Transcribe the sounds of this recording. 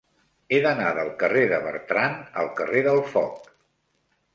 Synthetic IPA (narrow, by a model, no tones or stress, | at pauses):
eðənaðəlˠkəreðəβə̰ɾt̪ɾanə̰lˠkəreðəlˠfɔk̚